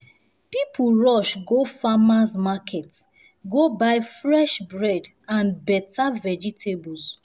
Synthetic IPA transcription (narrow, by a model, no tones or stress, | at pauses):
pipʰuɹɔʃɡofamasmakʰɛt | ɡobaɪfɹɛʃbɹɛd | ãnbɛtʰavɛd͡ʒitʰebus